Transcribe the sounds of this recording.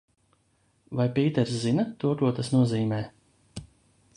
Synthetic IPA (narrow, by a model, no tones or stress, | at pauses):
vajpiːt̪ɛɾszinat̪uɔkuɔt̪asnuɔziːmɛː